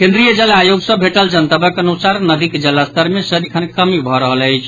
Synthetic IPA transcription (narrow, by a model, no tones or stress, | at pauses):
kẽnd̪ɾijəd͡ʒəlːaːjoɡsəbʱeʈəld͡ʒənt̪əbəkənusaɾnəd̪ikd͡ʒilːast̪əɾmesəd̪ikʰənkəmibʱɔɾəɦələjt͡ʃʰ